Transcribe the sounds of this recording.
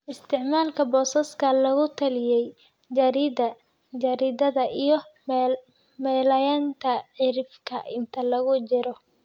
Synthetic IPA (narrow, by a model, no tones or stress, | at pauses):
ʔɪst̪ʰɪʕmaːlkʰɐbɔːsɐskʰɐlɐɣʊt̪ʰɐlɪjɛj | d͡ʒɐɾɪdɐ | d͡ʒɐɾɪd̪ɐðɐʔijɞ | mɛːlɐjaːnt̪ʰɐʕɪɾɪfkʰɐ̰ʔɪnt̪ʰɐlɐɣʊt͡ʃɪɾɔ